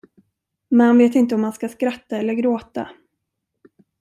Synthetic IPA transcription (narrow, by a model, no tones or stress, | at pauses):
mɛnhanveːt̪ɪnt̪əɔmːanskaskɾat̪ːaɛlːəɾɡɾoːt̪a̰